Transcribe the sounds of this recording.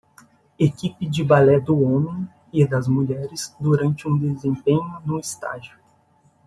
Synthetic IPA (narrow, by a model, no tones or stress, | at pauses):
ekipɪd͡ʒɪbalɛd̪ʊõmẽj̃ | ɪd̪ɐzmuʎɛɾɪzd̪uɾɐ̃nt͡ʃɪũd̪ezẽmpẽɲʊnʊɪst̪a̰ʒiʊ